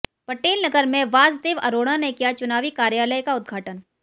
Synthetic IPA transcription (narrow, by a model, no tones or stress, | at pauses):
pɐʈeːlnɐɡəɾmẽʋaːzd̪eːʋɐ̰ɾoːɽ̃ãnekijat͡ʃʊnaːʋikaːɾjaːləjkaʊd̪̚ɡʱaːʈən